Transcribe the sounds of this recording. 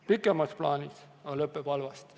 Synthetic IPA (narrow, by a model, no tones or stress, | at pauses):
pikːˑemɑsplɑːnʲis | ɑlɤpːˑepɑlvɑst̪